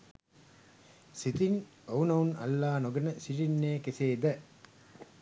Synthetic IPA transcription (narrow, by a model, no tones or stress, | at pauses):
sit̪in | ownɐunɐ̰lːaːnoɡɐnəsiʈinːeːkeseːd̪ɐ